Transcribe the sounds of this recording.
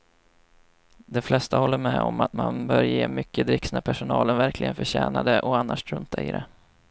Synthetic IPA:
d̪ɛflɛst̪ahɔlːəɾmɛɔ̰mat̪manbœːɾjeːmʏkːəd̪ɾɪksnapʰæʂʊnɑːlənvæɾkʰlʔɪɡənfœɕæːnad̪əʔɔanːaʂɾɵnt̪ʰaɪɾɛ

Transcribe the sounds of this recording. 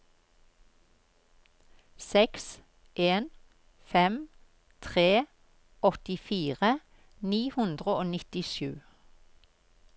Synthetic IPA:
sɛks | ʔeːn | fɛm | t̪ʰʁeː | ɔt̪ɪfiːʁə | niːhʉnd̪ʁəoːnɪt̪ɪʃʉː

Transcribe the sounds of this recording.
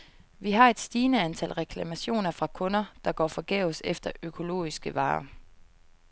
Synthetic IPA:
ʋiɦɑ̈e̝d̥sd̥iːnəænt͡sʰæl̰ʁɛkʰlæmæɕo̝̰ːnɐfʁɑ̈kʰɔ̽nɐd̥ɑ̈ɡ̥ɒ̰ːfɒ̽ɡ̥eʊsefd̥ɐʔøkʰo̝lo̝̰ːisɡ̥əʋɑ̰̈ː

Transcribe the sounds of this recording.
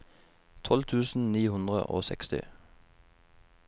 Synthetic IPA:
t̪ʰɔlt̪ʰʉːsn̩niːhʉnd̪ʁə̰ʔo̰ːsɛkst̪ɪ̰

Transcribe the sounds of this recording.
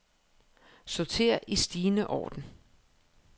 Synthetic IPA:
sɒt͡sʰe̝̰ːɐʔisd̥iːnəʔɒ̰ːd̥n̩

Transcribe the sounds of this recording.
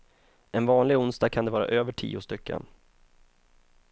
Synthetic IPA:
ɛnvɑːnlɪɡʊnst̪ɑaɡ̚kʰand̪ɛvɑːɾa̰ʔøːvəʈʰḭːʊst̪ʏkʰːə̰n

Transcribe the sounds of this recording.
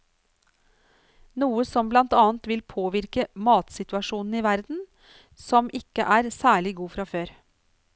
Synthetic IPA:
nuːəsɔmblɑnt̪ɑːn̩t̪ʋɪlpʰoːʋɪɾkəmɑːt̪sɪt̪ʉɑʃuːnn̩iːʋæɾd̪n̩ | sɔmʔɪkəʔæːɾsæːɭɪɡuːfɾɑføːɾ

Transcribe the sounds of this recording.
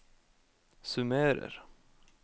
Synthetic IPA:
sʉmøːɾə̰ɾ

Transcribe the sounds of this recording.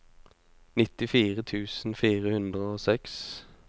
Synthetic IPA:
nɪt̪ɪfiːʁət̪ʰʉːsn̩fiːʁəhʉnd̪ʁəoːsɛks

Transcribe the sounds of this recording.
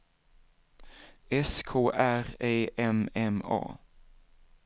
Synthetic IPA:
ɛskʰoːʔæʁeːʔɛmɛmɑ̰ː

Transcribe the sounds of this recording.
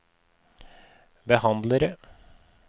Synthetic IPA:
bəhɑnd̪ləɾə

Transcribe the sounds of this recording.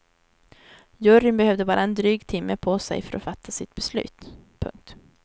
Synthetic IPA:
jɵɾɪnbɛhøːvd̪əbɑːɾʔaɛnd̪ɾyːɡt̪ʰɪmːəpʰɔsɛ̰jfœɾʔɔ̰fat̪ʰːasɪt̪bɛslʉ̟ːt̪pʰɵ̰ŋk̚t̪

